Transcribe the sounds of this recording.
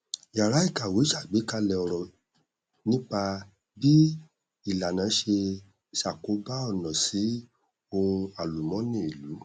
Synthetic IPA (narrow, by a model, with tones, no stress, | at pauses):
ja˨ɾa˨˦i˦˨ka˨we˨˦ʃa˦˨ɡ͡bi˨˦ka˦lɛ˧˨ɔ˨ɾɔ˨ | nĩ˦k͡pa˧ | bi˦ | i˦˨la˨nã˨˦ʃe˧ | ʃa˨ko˨˦ba˦ɔ˦˨nɔ̃˨si˨˦ | o˧ũ˧a˨lu˨mɔ̃˨˦nĩ˦˨i˨lu˨˦